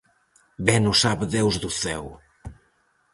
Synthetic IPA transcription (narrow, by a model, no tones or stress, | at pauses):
bɛnusaβðewzðuθɛ̰w